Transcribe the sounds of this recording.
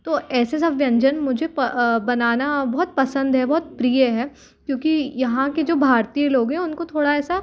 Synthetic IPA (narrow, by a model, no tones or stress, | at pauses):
t̪oːɛːses̬ɐbjɐ̃ɲd͡ʒənmʊd͡ʒʱepbɐnaːnabɔɦt̪̚pɐsə̃nd̪ɦɛbɔɦt̪̚pɾijəɦɛː | kjõːkijɐɦãked͡ʒoːbʱaːɾt̪ijeloːɡɦɛ̃ʊnkot̪ʰoːɽaɛːsa